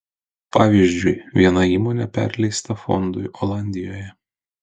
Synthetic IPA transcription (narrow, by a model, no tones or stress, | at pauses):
pɑːʋʲiːʒʲd͡ʒʲʊɪʋʲiɛnɐiːmoːnʲɛpʲæ̰ɾʲlʲɛɪst̪ɐfɔ̰nd̪ʊɪʔɔlˠɑnʲd̪ʲɪjoːjɛ